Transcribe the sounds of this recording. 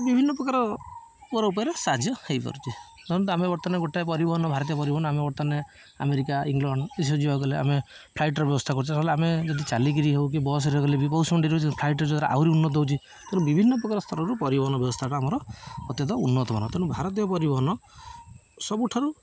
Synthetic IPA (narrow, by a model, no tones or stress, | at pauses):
bibʱinːɔpɾɔkaɾɔ | pɔɾɔupɔjɔɾesad͡ʒjɔhejpɔ̰ɾut͡ʃʰi | d̪ʱɔ̃t̪ɔamebɔt̪ɔneɡoʈapɔɾibɔɦɔnɔbʱaɾɔt̪̬iɔpɔɾibɔɦɔnɔamebɔʈt̪ɔne | a̰meɾikaiŋɡlɔɳɖisɔd͡ʒibakɔlea̰mepʰlajʈɔɾɔbjɔbɔst̪ʰakɔɾut͡ʃʰɔaɦleamed͡ʒɔd̪it͡ʃalik̬iɾiɦewk̬ibɔs̬ɾekɔlebipɔwsɔmɔɳʈiɾeut͡ʃʰpʰlajʈɾed͡ʒɔd̪ɾa̰ʔa̰wɾiunːɔt̪ɔd̪ewt͡ʃʰi | t̪eɽũbibʱinːɔpɾɔkaɾɔst̪ʰɔɾɔɾupɔɾibɔɦɔnɔbjɔbɔst̪ʰaʈaamɔɾɔːt̪jɔt̪ɔunːɔt̪ɔa̰nɔt̪eɽ̃ũbʱaɾɔt̪̬ijɔpɔɾibɔɦɔnɔ | sɔbuʈʰɔɾu